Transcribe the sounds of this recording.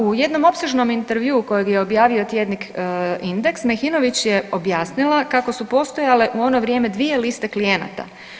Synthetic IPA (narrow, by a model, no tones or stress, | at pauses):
uje̞d̪no̞mo̞pseʒno̞mint̪eɾʋjuːko̞jeɡjeo̞bjaːʋiot̪je̞d̪nikind̪e̞ksmexino̞ʋit͡ɕje̞o̞bjaːsnilˠakako̞supo̞st̪o̞jale̞ʔuo̞no̞ʋɾje̞ːmed̪ʋie̞list̪e̞klije̞na̰t̪a̰